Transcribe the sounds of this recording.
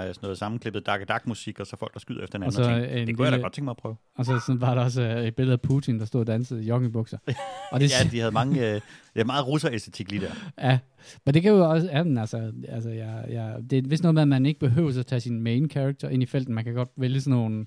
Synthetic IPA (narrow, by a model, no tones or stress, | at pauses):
sɔnɔ̽ð̩ˠsɑ̈mn̩kʰle̝b̥ð̩ˠd̥ɑ̈ɡ̥əd̥ɑ̈ɡ̥musiɡ̥ɒsɒfɒ̽l̰ɡ̥ɑsɡ̥yðˠɐefd̥ɐ̥enɒnsɒenekd̥ujædæ̥ɒ̥eŋɡ̥mɑɪpʰʁœːʊ | ɒ̽sɒsɒʋɑ̈ɾɑ̈ɒ̽s̬əe̝d̥̚b̥e̝lð̩ˠæpʰuːt͡sʰind̥ɑ̈sd̥o̝ð̰ˠd̥ænsəð̩ˠjɒ̽ɡ̥ŋ̩ib̥ɔ̽ɡ̥sɑɒ̽d̥e̝æd̥ihæð̞̩ˠmɑ̈ŋəd̥imɑ̈ːð̩ˠʁusɐesd̥et͡sʰiɡ̥lid̥eɐ̰jæ | mend̥e̝kʰæjoɒ̽sjæmenælsɐælsəjɑjɑ̈d̥e̝ʋesno̽ːmeɐmæne̝ɡ̥əb̥e̝ɦø̰ʊsæt͡sʰɛ̰ːsinmeɪnkʰæaɡ̥̚t͡sʰɐʔe̝nifel̰d̥n̩mænkʰæɡ̥ɒ̽d̥ʋeljəsnoːn